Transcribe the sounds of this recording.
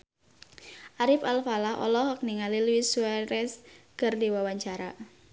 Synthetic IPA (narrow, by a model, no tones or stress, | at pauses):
ʔaɾɪpalfalahɔ̰lɔhɔk̚niŋalilwisuaɾɛskərdiwawaɲt͡ʃaɾa